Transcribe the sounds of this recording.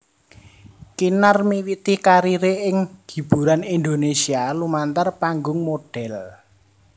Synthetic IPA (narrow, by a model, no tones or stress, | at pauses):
kinarmiwit̪ɪhkaɾiɾeɪŋɡ̥i̤b̥ṳɾanind̪onesialumant̪arpaŋɡʊŋmoɖ̥ɛl